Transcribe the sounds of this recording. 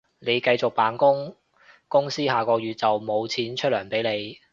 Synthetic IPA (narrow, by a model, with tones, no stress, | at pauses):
ne˨˧jkɐ˧jt͡sʊ˨k̚paː˨nkʊ˥ŋ | kʊ˥ŋsiː˥haː˨kɔː˧jɥyː˨t̚t͡sɐ˨wmo˨˧wt͡sʰiː˨˥nt͡ʃʰɵ˥t̚lœː˨˩ŋpe˨˥jne˨˧j